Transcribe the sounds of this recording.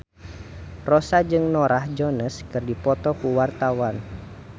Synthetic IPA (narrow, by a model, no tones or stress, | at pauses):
rɔsad͡ʒɨŋnɔɾahd͡ʒɔnəskɨrdipɔt̪ɔkuwart̪awan